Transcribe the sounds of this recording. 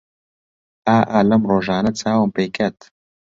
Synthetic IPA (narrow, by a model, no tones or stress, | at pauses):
aːʔaːlɐmroːʒaːnɐt͡sʰaːwɨmpeːkʰɐt̪